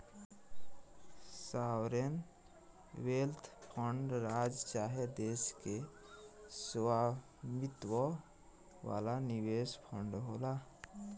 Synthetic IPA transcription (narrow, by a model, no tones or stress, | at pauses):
sawɾen | welt̪ʰpʰəɳɖɾad͡ʒt͡ʃaɦed̪eske | swa | mit̪wɔ | wa̰laniwespʰəɳɖɦola